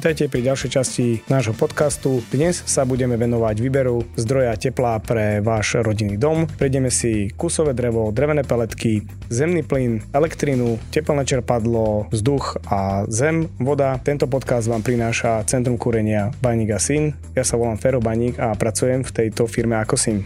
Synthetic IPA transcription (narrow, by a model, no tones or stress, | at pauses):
t̪ajcɛpɾiɟalʃɛjt͡ʃascinaːʒɦɔpɔt̪kast̪ud̪ɲɛssabuɟɛmɛʋɛnɔʋaɟʋiːbɛɾuzd̪ɾɔjacɛplapɾɛʋaːʒɾɔɟinːiːd̪ɔmpɾɛjɟɛmɛsikusɔʋɛːd̪ɾɛʋɔd̪ɾɛʋnɛːpɛlɛt̪ki | zɛmniːplinɛlɛkt̪ɾinucɛplnɛːt͡ʃɛɾpad̪lɔvzd̪uxazɛmʋɔd̪at̪ɛnt̪ɔp̬ɔt̪kazd̪ʋaːmpɾinaːʃat͡sɛnt̪ɾumkuɾɛɲɪabaɲiːɡasin | jasaʋɔlaːmfɛɾɔbaɲiːɡapɾat͡sujɛmft̪ɛjt̪ɔfiɾmɛakɔsin